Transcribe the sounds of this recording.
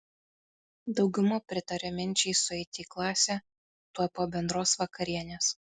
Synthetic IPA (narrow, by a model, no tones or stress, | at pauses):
d̪ɒʊɡʲʊmoːpʲɾʲɪt̪ɐɾʲɛmʲɪnʲˑt͡ʃʲɛɪsʊɛɪt̪ʲiːklˠɑːsʲɛ | t̪uɔpoːbʲɛnd̪ɾoːsʋɐkɐɾʲiɛnʲeːs